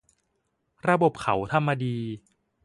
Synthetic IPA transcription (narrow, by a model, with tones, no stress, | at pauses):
ɾa˧bo˨˩p̚kʰa˩˦wt̪ʰa˧mːa˧diː˧